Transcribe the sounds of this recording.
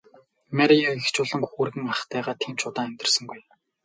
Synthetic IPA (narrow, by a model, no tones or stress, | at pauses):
mæɾʲiaext͡ɕʊːɮə̆ŋxuːrɣɘ̆ŋaχt̪æːʁaːt̪ʰiːmt͡ɕʊt̪aːæmʲt̪ɪ̆rsə̆ŋɡuj